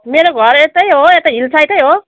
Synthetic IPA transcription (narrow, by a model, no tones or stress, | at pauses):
meɾoɡʱʌɾet̪ʌjɦoet̪ʌɦilt͡sʰajt̪ʌjɦo